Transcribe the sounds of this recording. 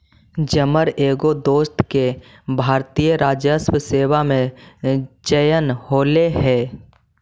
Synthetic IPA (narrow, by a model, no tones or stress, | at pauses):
d͡ʒəməɾeːɡod̪oːst̪ke | bʱaːɾt̪ijəɾaːd͡ʒjəswəseːwamẽ | d͡ʒəjənhoːleɦɛ̃ː